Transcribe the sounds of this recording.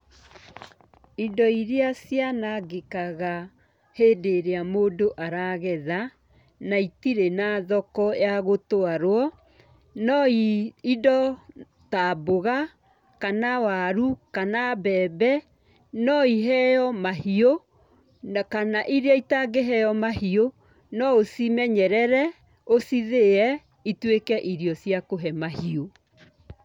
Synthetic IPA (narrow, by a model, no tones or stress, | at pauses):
idɔiɾeasjanaɡekaɣa | heːdeɾeamoːdoʔaɾaɣɛða | naitiɾenaðɔkɔjaɣotoaɾwɔ | nɔiidɔ | taboɣa | kanawaɾukanabɛːbɛ | nɔiɦɛjɔmahio | kanaʔiɾeaitaɡeɦɛjɔmahio | nɔosimɛɲɛɾɛɾɛ | osiðeɛ | itwekɛʔiɾiɔsjakoɦɛmahio